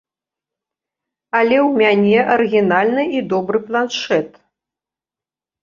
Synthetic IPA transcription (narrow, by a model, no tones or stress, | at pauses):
ɐlʲɛwmʲanʲɛʔɐrɨɣʲinalʲnɨid̪ɔbɾɨplˠanʂɛt̪